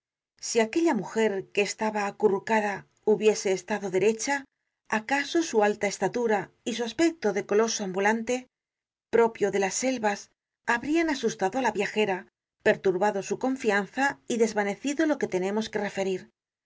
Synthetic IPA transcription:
siake̞ʎamuxe̞ɾke̞ːst̪aβaːkurukaða | uβje̞se̞ːst̪aðo̞ðe̞ɾe̞t͡ʃaː | kaso̞sualt̪ae̞st̪at̪uɾa | isuaspe̞k̚t̪o̞ðe̞ko̞lo̞soambulant̪e̞ | pɾo̞pjo̞ðe̞lasːe̞lβas | aβɾianasust̪aðo̞alaβjaxe̞ɾa | pe̞ɾt̪uɾβaðo̞suko̞ɱfian̟θaiðe̞zβane̞θiðo̞lo̞ke̞t̪e̞nẽ̞mo̞ske̞re̞fe̞ɾiɾ

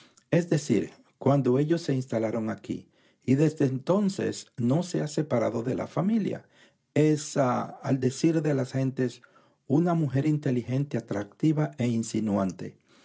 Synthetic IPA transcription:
ezd̪e̞sḭɾ | kwand̪o̞e̞ʝo̞sːe̞inst̪alaɾo̞ŋakḭ | iðezd̪eːnt̪o̞nse̞̰sno̞se̞ase̞paɾaðo̞ðe̞lʔa̰familja̰ | esaald̪esiɾðe̞lasxe̞nt̪e̞s | unamuxe̞ɾint̪e̞lixe̞nt̪eat̪ɾak̚t̪iβae̞insinuant̪e̞̰

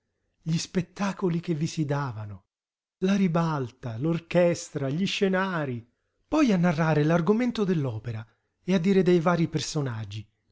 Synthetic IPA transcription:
ʎispet̪ːaːkolik̟evːisid̪aːvanʊ | laɾibalt̪alorkɛst̪ɾaʎiʃːenaːɾi | pɔjanːarːaːɾelarɡoment̪od̪elːɔːpeɾa | ead̪ːiːɾed̪ejvaːɾipersonad͡ʒːi

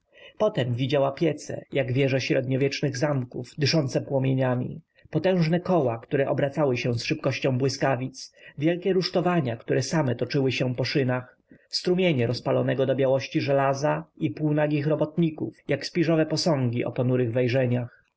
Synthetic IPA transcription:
pɔt̪ɛmvʲid͡ʑawapʲjɛt̪sɛ̰jaɡvʲjɛʐɛɕɾɛd̪ɲɔvʲjɛt͡ʂnɘɣzamkuvd̪ɘʂɔnt̪sɛpwɔmʲjeɲamʲḭ | pɔt̪ɛ̃w̃ʐnɛkɔwakt̪uɾɛʔɔbɾat̪sawɘɕɛ̃sʂɘp̚kɔɕt͡ɕɔ̃w̃bwɘskavʲit̪svʲjɛlkʲɛɾuʂt̪ɔvaɲakt̪uɾʔɛsamɛt̪ɔt͡ʂɘwɘɕɛ̃pɔʂɘnax | st̪ɾumʲjeɲɛɾɔspalɔnɛɡɔd̪ɔbʲjawɔɕt͡ɕiʐɛlazaipuwnaɡʲixɾɔbɔt̪ɲikṵfjakspʲiʐɔvɛpɔsɔ̃ŋɡʲiʔɔ̰pɔnuɾɘɣvɛjʐɛɲax

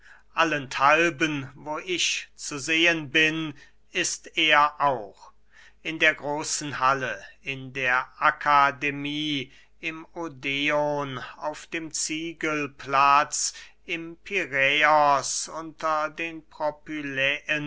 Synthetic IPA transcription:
ʔaləntʰalbənvoːʔɪçt͡suzeːənbɪn | ɪsteːɐʔaʊχ | ʔɪndeːɐɡʁoːsn̩haləɪndeːɐʔakʰademiː | ɪmodeonaʊfd̥eːmt͡siːɡəlplat͡s | ɪmpʰiʁɛɔsʊntɐdeːnpʁɔpylɛən

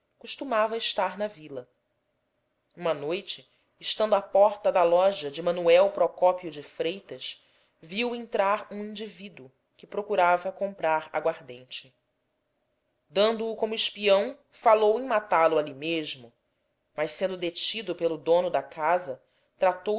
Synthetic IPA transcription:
kuʃt̪umavɐɪʃt̪aɾnɐvilɐ | ũmɐnojt͡ʃɪ | ʃt̪ɐ̃nd̪ʊapɔɾt̪ɐd̪ɐlɔʒɐd͡ʒɪmɐ̃nuɛwpɾɔkɔpjʊd͡ʒɪfɾejt̪ɐʃ | viwẽnt̪ɾaɾũĩnd͡ʒivid̪u | kɪpɾokuɾavɐkõmpɾaɾɐ̰ɡwaɾd̪ẽnt͡ʃɪ | d̪ɐ̃nd̪ʊːkõmʊɪʃpiɐ̃w̃ | falowẽj̃mat̪alʊalimeʒmʊ | mɐʃsẽnd̪ʊd̪et͡ʃid̪ʊpelʊd̪õnʊd̪ɐkazɐ | t̪ɾat̪o

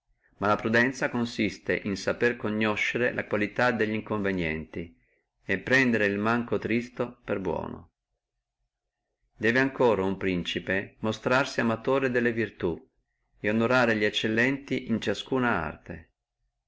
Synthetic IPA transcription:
malapɾud̪ɛnt̪sakonsist̪ḛʔinsaperkoɲːoʃːeɾelʔa̰kwalit̪ad̪eʎːiŋkoɱvenjɛ̰nt̪i | epːɾɛnd̪eɾeilmaŋkot̪ɾist̪operbwɔ̰ːno̰ | d̪ɛːveaŋkoːɾaumpɾint͡ʃipemost̪ɾarsiamat̪oːɾed̪elːevirt̪u | eonoɾaːɾeʎiet͡ʃːelːɛnt̪iʔint͡ʃaskuːnaa̰rt̪e

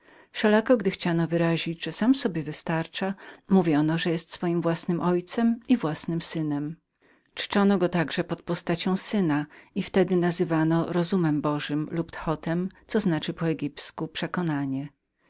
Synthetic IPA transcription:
ʂɛlakɔɡd̪ɘxt͡ɕanɔvɘɾaʑid͡ʑʐ̥ɛsamsɔbʲjɛvɘst̪aɾt͡ʂamuvʲjɔnɔʐɛjɛst̪sfɔjimvwasnɘmʔɔjt̪sɛmivwasnɘmsɘnɛm | t͡ʂɘ̥t͡ʂɔnɔɡɔt̪aɡʐɛpɔt̪̚pɔst̪at͡ɕɔ̃w̃sɘnaift̪ɛd̪ɘnazɘvanɔɾɔzumɛmbɔʐɘmlupt̪xɔt̪ɛmt̪sɔznat͡ʂɘpɔɛɡʲipskupʂɛkɔnaɲɛ

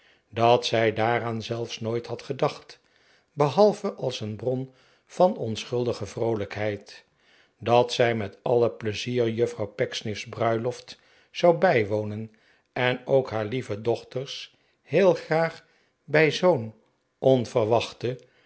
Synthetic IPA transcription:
dɑtsɛjdaːɾaːnzɛlˠfsnojtɦɑtχədɑχt | bəɦɑlˠvəʔɑlˠsənbrɔn | v̥ɑnɔnsχɵlˠdəχəvrowləkɦɛjt | dɑtsɛjmɛtɑləpləziːrjɵfrɑwpɛksnɪfzbrœɥlɔft | z̥ɑwbɛjʋownən | ɛnowkɦaːɹlivədɔχtərs | hɪːlˠχraːχ | bɛjzown | ʔɔnvərʋɑχtə

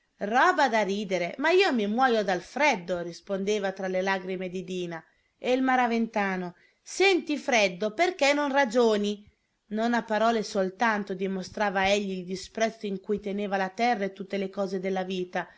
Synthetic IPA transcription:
rɔːbad̪aɾiːd̪eɾemaiːomimwɔːjod̪alfɾɛd̪ːorispond̪eːvat̪ɾalelaɡɾimed̪id̪iːna | eilmaɾavent̪aːno | sɛnt̪ifɾɛd̪ːoperkɛnonrad͡ʒoːni | nonapːaɾɔːlesolt̪ant̪od̪imost̪ɾaːvaɛʎːiːld̪ispɾɛt̪sːoiŋkujt̪eneːvalat̪ɛrːet̪ut̪ːelekɔːzed̪elːaviːt̪a

